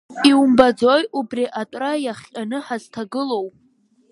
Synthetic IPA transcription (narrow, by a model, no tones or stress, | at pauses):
iwumbad͡zojubriʔatʷʼrajaχʲqʲʼanɨħaztʰaɡɨlo̞wpʼ